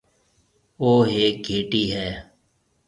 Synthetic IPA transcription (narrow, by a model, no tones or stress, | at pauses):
oːɦeːɡʱeːʈiːɦɛː